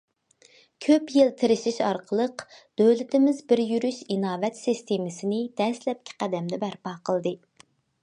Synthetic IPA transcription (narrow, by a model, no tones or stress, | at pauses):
kʲʰøpjɪlˠt̪ʰɪɾɪʃiʃɑɾqʰəlˠəqd̪̥øwlɪt̪ɪmɪzbɪɾjyɾyʃinɑːvɛt̪sist̪ʰemɪsɪnɪd̪̥ɛslɛp̚kʲʰɪ̥qʰæd̪ɛmd̪ɛbæɾpɑːqʰəlˠd̪ɨ